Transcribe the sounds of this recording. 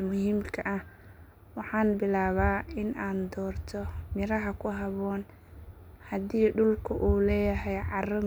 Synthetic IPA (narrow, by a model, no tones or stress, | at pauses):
mʊɦiːmkʰɐʔɐh | wɑħɑːnbɪlaːβaːɪnaːnd̪ɔːrt̪ʰɔmɪɾɐɦɐkʰʊɦɐβɔːn | hɐd̪iːɖʊlkʰʊʔuːlɛːjɐɦɛjʕɑrɐ